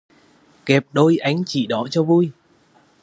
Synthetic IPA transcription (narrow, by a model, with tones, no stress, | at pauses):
kɛ˨˩p̚ɗo˧jʔa˨˦jŋ̟t͡ɕḭ˧˨ɗɔ˨˦t͡ɕɔ˧vu˧j